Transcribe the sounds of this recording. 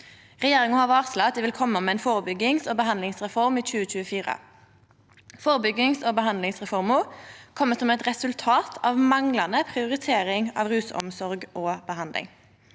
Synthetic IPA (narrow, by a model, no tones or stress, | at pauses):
ʁɛjeːʁɪŋəhɑːʁɑːʁslɑt̪d̪iːʋɪlkʰɔmːəmɛɛːnfoːʁəbʏɡːɪŋsoːbəhɑnd̪lɪŋsʁɛfɔʁmiːt͡ʃʉːət͡ʃʉːəfiːʁə̰ | foːʁəbʏɡɪŋsoːbəɦɑnd̪lɪŋsʁɛfɔʁmʊkʰɔmːəsɔmɛt̪ʁɛsʉlt̪ʰɑːt̪ʰɑːʋmɑŋlɑnəpʰʁɪʊʁɪt̪ʰeːʁɪŋɑ̰ːʋʁʉːsɔ̰msɔʁɡʔoːbəhɑnd̪lɪ̰ŋ